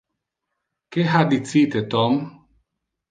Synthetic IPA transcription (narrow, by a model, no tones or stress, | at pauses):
keɦadititetɔm